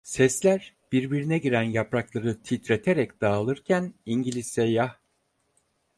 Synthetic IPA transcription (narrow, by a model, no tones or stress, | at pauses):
sɛslʲæɾ | b̥iɾbiɾinɛɟiɾænjapɾaklˠaɾɯt̪ʰit̪ɾet̪ʰeɾɛcd̪̥aːlˠɯɾcʰæniɲɟilʲisːɛjah